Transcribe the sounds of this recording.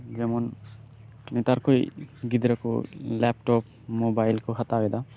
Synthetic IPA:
zɛmɔn | nɛtaɾkʰojɡidɾakɔ̰lɛp̚tɔp̚ | mɔbajlkʰɔxʰatabɛda

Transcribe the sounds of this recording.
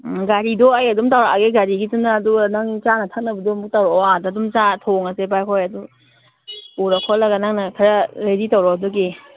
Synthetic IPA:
ɡaɾidɔɐjɐdumtawɾaʔaɡeɡaɾiɡitunaːdunaŋnit͡ʃanɐtʰɐk̚nɐbɐdɔmuk̚tawɾɔɔadadumt͡ʃatʰoŋɐsepajkʰɔjɐdu | uɾɐkʰolɐɡɐnaŋnɐkʰɐɾɐɾeditawɾɔdɔɡe

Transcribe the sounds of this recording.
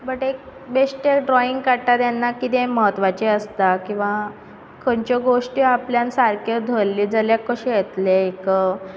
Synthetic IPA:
bəʈek̚beʂʈeɖɾɔiŋɡkaɽʈ̪at̪janːakit̪ẽməɦət̪ʋat͡ɕeəst̪akĩw̃ʋa | kʰəɳt͡ɕeɡoʂʈiapljansaɾkʰjəd̪ʱəlːiːd͡zaljakːəɕijet̪leek

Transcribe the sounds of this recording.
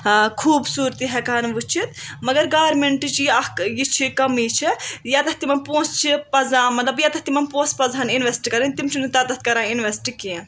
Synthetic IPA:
kʰuːbsuːɾt̪iɦɛkaːnʋut͡ʃʰit̪mɐɡɐɾɡaːʋɐɾmeɳʈt͡ʃiɐjit͡ʃʰikɐmit͡ʃʰijaːt̪ɐt̪imɐnpõːst͡ʃʰipɐzãːmɐt̪lɐbjaːt̪ɐht̪imɐnpõːspɐzaːninʋesʈkɐɾɐnʲt̪imt͡ʃʰinɨt̪at̪ɐt̪̚ʰkɐɾãːinʋesʈikẽː

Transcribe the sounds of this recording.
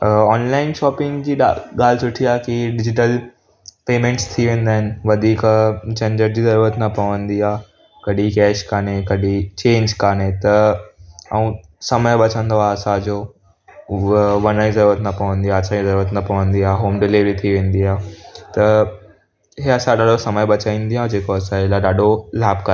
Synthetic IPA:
ɔːnlaːɪnʃɔːpɪ̃ŋɡd͡ʑiːɗaɠaːl̤sʊʈʰiaːkiɖɪd͡ʑɪʈəl | peːmẽːɳʈst̪ʰiʋẽːn̆d̪aːɦɪnɪ̆ʋɐd̪ʱiːkd͡ʑɐ̃ɲd͡ʑəɾd͡ʑiːzɐɾuːɾət̪nɐpɐʋə̃nd̪iaː | kɐɗikɛːʃkaːnekɐɗit͡ɕẽːɲd͡ʑkaːnet̪ɐ | ɐũ | sɐməjɓɐt͡ɕʰə̃nd̪oaɐsãd͡ʑoː | ʋɐnaizɐɾuːɾət̪nɐpɐʋə̃nd̪iaːɐsãd͡ʑizɐɾuːɾət̪nɐpɐʋə̃nd̪iaːɦoːmɖɪliʋɾit̪ʰiʋẽːnd̪iaːt̪ɐ | ɦeɐsãɗaːɖosɐməjɓɐt͡ɕaːĩːnd̪iaːd͡ʑeːkoɐsãɪlaɗaːɗolaːbkɐ

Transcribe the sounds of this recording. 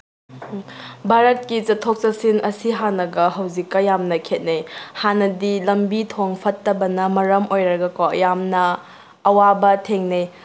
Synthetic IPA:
bʱaɾɐt̚kit͡ʃɐtʰok̚t͡ʃɐsinɐsiɦanɐɡɐɦɐwzikːɐjamnɐkʰet̚nejhanɐdilɐmbitʰoŋpʰɐtːɐbɐnɐmɐɾɐmojɾɐɡɐko̰jamnɐː | wabɐtʰeŋnej

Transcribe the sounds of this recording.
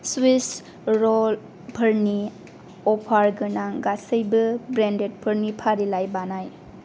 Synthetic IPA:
swis | ɾɔl | pʰəɾni | ɔpʰaɾɡɯnaɡasəjbɯbɾendet̚pʰəɾnipʰaɾilajbanaj

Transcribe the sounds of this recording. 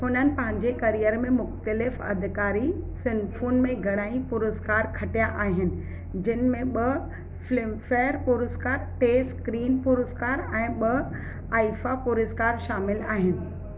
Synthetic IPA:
ɦʊnənɪ̆pɐ̃ɦɪ̃ɲd͡ʑekɐɾijəɾmẽmʊxt̪əlɪfɐ̰d̪ʱɪkaːɾisɪnɖfʰuːnmẽɡʱɐɽ̃aːĩpʊɾʊzkaːɾkʰɐʈijaʔaːɦɪnɪ̆ | d͡ʑɪnɪ̆mẽɓɐ | flɪmfeːɾpʊɾʊzkaːɾʈeːskɾiːnpʊɾʊskaːɾɛ̃ːɓɐ | aːifapʊɾʊskaːɾʃaːmɪlaːɦɪnɪ̆

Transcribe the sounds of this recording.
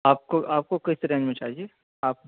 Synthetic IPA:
aːp̚koʔaːp̚kokɐst̪əɾɛ̃ːd͡ʒmẽt͡ʃaːɦie | aːp̚

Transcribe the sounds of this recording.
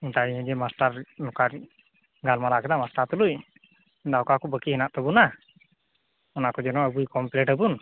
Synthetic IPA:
int̪aiɛ̃d͡ʒɛmasʈaɾnɔkaɾ | ɡalmalakɛd̪amasʈaɾt̪uluj | int̪aɔkakɔbəkihɛnaʔt̪ɔbuna | ɔnakɔd͡ʒɛnɔəbujkɔmplɛʈəbun

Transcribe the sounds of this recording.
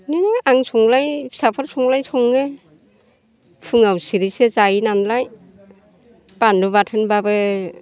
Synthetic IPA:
ninɯʔaŋsʰɔŋlajsapʰaɾsʰɔŋlajsʰɔŋɯ | pʰɯŋawsiɾisezajinanlaj | pandɯβatʰɯnbabɯ

